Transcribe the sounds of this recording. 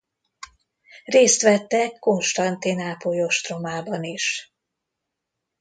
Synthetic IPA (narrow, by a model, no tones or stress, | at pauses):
reːst̪ʋɛt̪ːɛkːo̞nʃt̪ɒnt̪inaːpojoʃt̪romaːbɒniʃ